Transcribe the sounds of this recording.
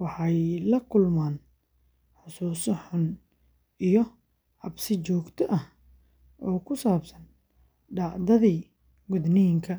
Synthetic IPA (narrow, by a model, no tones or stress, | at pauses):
wɑħɑjlɐkʰʊlmaːn | ħʊsuːsɔħʊn | ijɔ | ʕɑbsɪt͡ʃɔːɡt̪ʰɔʔɐh | ʔɔːkʰʊsaːbsɐn | ɖɑʕd̪ɐðiː | mʊðnɪjɪŋkʰɐ